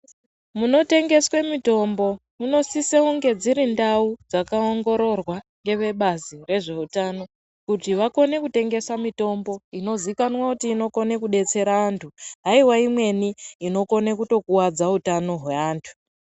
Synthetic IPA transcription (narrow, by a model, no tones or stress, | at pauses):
muno̞te̞ŋɡe̞swe̞mito̞mbo̞muno̞siseuŋɡe̞d͡ziɾindaud͡zakaoŋɡo̞ɾo̞rwaŋɡe̞ʋe̞ɓazire̞ʐe̞utano̞ | kutiʋako̞ne̞kute̞ŋɡe̞samito̞mbo̞ino̞zikanwakutiːno̞ko̞ne̞kuɗe̞t͡se̞ɾaːntʰuɦaiwaimwe̞niːno̞ko̞nekuto̞kuwad͡zautano̞ɦweaːntʰu̥